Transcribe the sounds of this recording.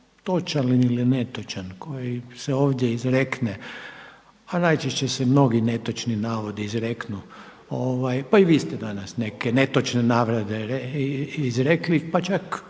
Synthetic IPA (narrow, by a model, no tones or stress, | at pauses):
t̪o̞t͡ʃalinilinet̪ot͡ʃankʰo̞jiseoːʋd̪ʲjeizɾekne | anajt͡ʃeʃt͡ɕesemno̞ɡine̞t̪o̞t͡ʃninaːʋo̞d̪iizɾeknu | oʋajpaiʋiːst̪ed̪anasne̞kene̞t̪ot͡ʃnenaːʋɾad̪eɾeizɾeklipat͡ʃak